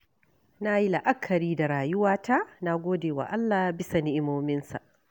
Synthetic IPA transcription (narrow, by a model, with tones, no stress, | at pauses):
na˦ji˦la˨ʔa˦kʰːɐ˨ɾiː˦da˨ɾaː˨jʊ˦waː˦ta˦na˦ɡʷoː˦deː˨wa̰˨ʔa˦lːaː˨bɪ˦sa˨nɪ˦ʔɪ˦moː˦mɪ˦nsa̰˨ʔ